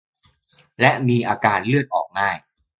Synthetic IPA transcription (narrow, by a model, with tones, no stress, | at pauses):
lɛ˦˥ʔmiː˧ʔaː˧kaː˧nlɯ˥˩ət̪̚ʔɔː˨˩k̚ŋaː˥˩j